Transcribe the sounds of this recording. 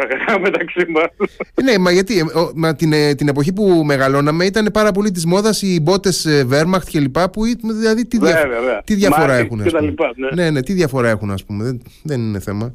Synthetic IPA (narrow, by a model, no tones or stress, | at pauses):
ɐɐɐmet̪ɐksimɐsnemɐʝɐt̪iomɐt̪int̪ine̞po̞çipume̞ɣɐlo̞nɐme̞it̪ɐne̞pɐɾɐp̬o̞lit̪̬izmo̞ðɐsibo̞t̪e̞seve̞ɾmɐkt̪ce̞lipɐpuit̪unðilɐðit̪iðɐveɾeɐt̪iðʝɐfoɾɐexunɐet̪ɐlipɐnene̞ne̞t̪iðʝɐfo̞ɾɐexunɐ̰spume̞ðeðenine̞θe̞mɐ